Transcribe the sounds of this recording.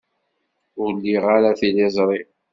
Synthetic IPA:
ʊɾlːiʁaɾaθilezˤɾˤi

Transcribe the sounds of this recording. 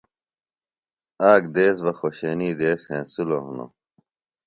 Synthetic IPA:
aːɡd̪eːs̬ʋɐxoɕeːniːd̪eːshẽːsuloɦuno̰

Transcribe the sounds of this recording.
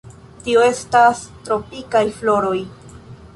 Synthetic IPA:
tio̞e̞stastɾo̞pikajflo̞ɾo̞j

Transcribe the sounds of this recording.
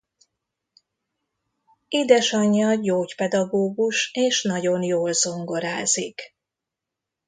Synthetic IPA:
iːd̪ɛʃɒɲːɒɟoːcpɛd̪ɒɡoːɡuʃeːʃnɒɟo̞njoːlzo̞ŋɡo̞ɾaːzik

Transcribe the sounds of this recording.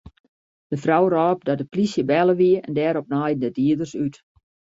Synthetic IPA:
d̥əfrawrɔːp̚dɔdəplisjəbɛlˠəʋiəɛ̰ndɛːɾɔp̚naːjən̩dədiədərsyt

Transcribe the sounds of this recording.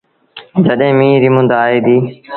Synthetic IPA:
d͡ʒəɗɦẽːmĩːɾimʊ̃nd̪aːɦeːd̪iː

